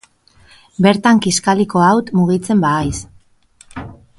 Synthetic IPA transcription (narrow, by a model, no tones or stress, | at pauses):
be̞ɾt̪aŋkiskaliko̞awt̪muɣit͡se̞mbaːjs